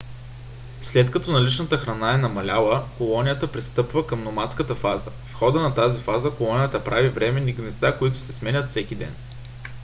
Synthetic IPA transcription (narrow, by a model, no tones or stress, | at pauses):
slɛt̪kɐt̪ɔnɐlit͡ʃnət̪əxɾɐnaɛnɐmɐlʲalˠəkolˠɔnijət̪əpɾist̪ɤpvəkəmnomat̪skət̪əfazə | fxɔd̪ənɐt̪azifazəkolˠɔnijət̪əpɾʔavivɾɛmɛniɡnɛst̪akoit̪ʊ̥sɛsmɛnʲət̪fsɛkʲid̪ɛ̰n